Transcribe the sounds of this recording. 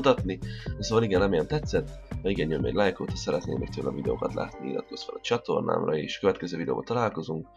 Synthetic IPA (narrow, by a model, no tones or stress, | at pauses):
t̪ɒt̪nisoːvɒliɡɛnlɛmejɛnt̪ɛt̪sɛt̪ːmɛiɡɛnjømːɛ̰ɟʲlajkoːt̪ɒsɛɾɛt̪nḛːmːɛ̰kt̪øːlɛ̰vid̪ɛo̰ːkɒt̪la̰ːt̪niilɒ̰t̪̚ko̞sfɛlɒt͡ʃɒt̪o̞rnʔa̰ːmrɒeːʃkøvɛt̪̚kɛzøːvid̪ɛ̰o̰ːbɒ̰t̪ɒlaːlko̞zuŋk̚